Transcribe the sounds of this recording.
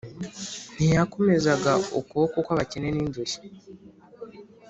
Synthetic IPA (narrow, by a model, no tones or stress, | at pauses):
n̥ijako̞me̞zaɡao̰kuβokokwaβaceneniːndoʃi̥